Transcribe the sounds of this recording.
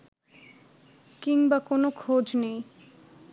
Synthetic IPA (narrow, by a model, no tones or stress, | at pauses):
kiŋbakonokʰod͡ʑnej